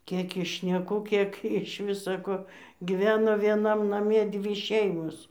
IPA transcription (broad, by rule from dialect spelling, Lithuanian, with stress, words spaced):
ˈkʲeːk ɪʃ ʃʲnʲɛˈkuː ˈkʲiɛk ɪʃ ˈʋʲɪsɐ koː ɡʲɪˈʋʲæːnoː ˈʋʲiɛnɐm ˈnɑːmʲɛ ˈdʲʋʲiː ˈʃʲɛɪmoːs